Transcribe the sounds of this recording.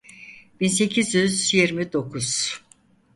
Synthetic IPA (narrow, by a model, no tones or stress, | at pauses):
b̥inse̞cʰizjyzjiɾmid̪o̞kʰuz̥